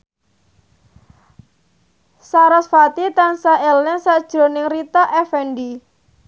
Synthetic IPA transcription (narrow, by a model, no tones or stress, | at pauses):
saɾasfat̪it̪ansaɛlnɛsad̥ʒ̥ɾo̤nɪŋrit̪aʔɛfɛnɖi